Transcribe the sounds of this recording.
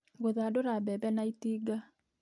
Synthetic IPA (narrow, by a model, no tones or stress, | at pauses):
ɣoðaːdoɾabɛbɛnaitiːɡa